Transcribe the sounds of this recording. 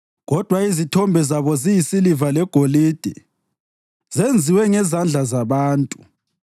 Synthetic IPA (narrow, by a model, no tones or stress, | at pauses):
ɣɔd̥ʱwaizitʰɔmbʱɛzaβɔzijisilivalɛɡ̥ʱoliːd̥ʱɛ̰ | z̥end͡zʱiwɛŋɛzand͡ɮʱazaβaːntʼu